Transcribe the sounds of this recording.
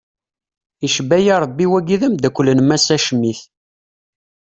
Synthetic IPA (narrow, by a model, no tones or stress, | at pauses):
iʃbæjiɾˤbːiwæɡiðæmd̪ækʷːlənmæsæʃəmːiθ